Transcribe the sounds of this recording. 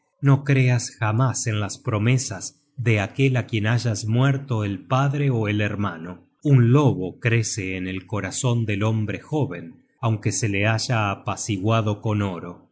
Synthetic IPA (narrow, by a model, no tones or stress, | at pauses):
no̞kɾeasxamasenlaspɾo̞mesaz | ðeakelakje̞naʒazmwɛɾt̪o̞elpaðɾeoeleɾmano | unloβo̞kɾe̞seːnelko̞ɾaso̞nd̪elo̞mbɾexo̞βen | awŋkeseleaʒaːpasiɣwaðo̞ko̞noɾo̞